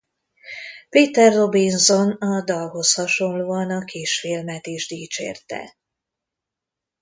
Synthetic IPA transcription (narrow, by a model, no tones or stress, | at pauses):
peːt̪ɛrːo̞binzo̞nɒd̪ɒlɦo̞shɒʃo̞nloːɒnɒkʰiːʃfilmɛt̪iːʒd̪iːt͡ʃḛːrt̪ɛ̰